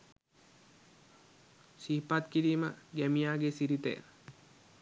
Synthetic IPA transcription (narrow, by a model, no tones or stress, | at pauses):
siɦpat̪kiɾiːməɡæmijaːɡesiɾit̪ḛj̰